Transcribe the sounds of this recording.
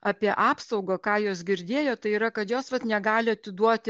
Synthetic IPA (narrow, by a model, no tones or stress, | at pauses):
ʔɑːpʲiɛʔɑːpsɒʊɡoːkɑːjoːsɡʲɪɾʲd̪ʲeːjoːt̪ɐɪiːɾɐkɐt̪joːsʋɐt̪nʲɛɡɑːlʲɪɐt̪ʲɪd̪uɔt̪ʲ